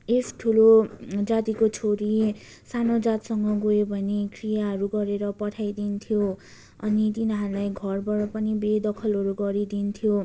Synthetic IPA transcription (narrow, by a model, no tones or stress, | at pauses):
esʈʰulod͡zat̪ikot͡sʰoɾi | sanod͡zat̪sʌŋɡʌɡoebʱʌnekʰrijaɦʌɾuɡʌɾeɾʌpʌʈʰajd̪int̪ʰijo | ʌ̰nit̪inɦaɾulajɡʱʌrbʌɾʌpʌnibed̪ʌkʰʌlɦʌɾuɡʌɾid̪int̪ʰjo